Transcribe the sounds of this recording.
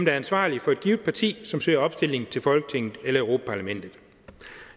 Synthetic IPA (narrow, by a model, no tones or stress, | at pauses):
md̥ɑɐænsʋɑ̰̈ːlifɒ̽e̝d̥̚ɡ̥iʊðd̥̚pʰɑ̈t͡sʰḭːsɒ̽msø̰ːɐɒ̽b̥sd̥e̝l̰e̝ŋn̩t͡sʰe̝lfɒ̽lɡ̥ət͡sʰeŋ̰ð̩ˠelɐeʊʁo̝ːpʰæ̥pʰɑ̈læmen̰d̥ð̩ˠ